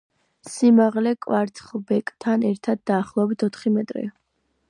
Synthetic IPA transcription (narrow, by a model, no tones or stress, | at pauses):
simaʁlɛkʼwaɾt̪ʰχbɛkʼt̪ʰanɛɾt̪ʰad̪̚ːaːχlˠɔɛbit̪ʰɔt̪ʰχimɛt̪ʼɾḭa